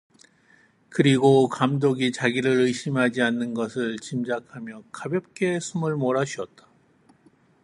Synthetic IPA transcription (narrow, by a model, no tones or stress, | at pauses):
kɯɾiɡokamdoɡit͡ɕaɡiɾɯɾɯjɕʰimɦad͡ʑianːɯnɡʌsʰɯɭt͡ɕimd͡ʑakʰamjʌkabjʌp̚k͈e̞sʰumɯɭmoɾaɕʰuʌt̚t͈ḁ